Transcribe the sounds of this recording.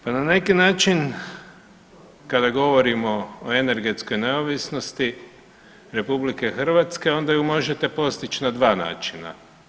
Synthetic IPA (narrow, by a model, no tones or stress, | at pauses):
panane̞kinaːt͡ʃin | kad̪aɡo̞ʋo̞ɾimo̞ːene̞ɾɡe̞t̪sko̞jne̞oʋisno̞st̪i | ɾe̞publike̞xr̩ʋat̪ske̞o̞nd̪ajumo̞ʒet̪e̞po̞st̪it͡ʃnad̪ʋaːna̰ːt͡ʃina̰